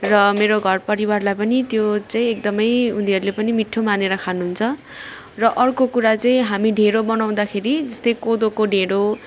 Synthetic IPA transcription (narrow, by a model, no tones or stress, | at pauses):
rʌmeɾoɡʱʌrpʌɾiwarlajpʌnit̪jot͡saĩek̚d̪ʌmʌjuniɦʌɾulepʌnimiʈʰːomaneɾʌkʰanuɦunt͡sʰʌ | rʌʔʌrkokuɾat͡saĩɦamiɖʱeɾobʌnaw̃d̪akʰeɾid͡zʌst̪ʌjkod̪okoɖʱeɽo